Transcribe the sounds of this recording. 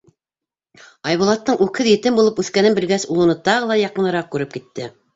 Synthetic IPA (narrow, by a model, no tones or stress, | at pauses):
ɑjβulˠɑt̪ːɤɴʉkhɘðjɘ̆t̪ɘmbulˠɤpʉθkænɘmbɘ̆lɡæsulˠɤ̆nɤt̪ɑʁɤ̆lˠɑjɑqɤ̆nɤ̆ɾɑq̚kːʉɾɘp̚kit̪ːɘ